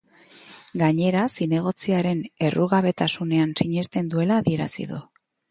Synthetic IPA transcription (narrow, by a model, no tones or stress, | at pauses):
ɡaɲe̞ɾasine̞ɣ̞o̞t͡siaɾe̞ne̞rʔuɣaβ̞e̞t̪asune̞ansiɲe̞st̪e̞nd̪ue̞laːðie̞ɾa̰sḭðṵ